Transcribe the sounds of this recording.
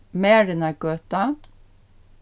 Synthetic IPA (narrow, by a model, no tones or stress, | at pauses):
meːɾɛnæɡøːt̪ɑ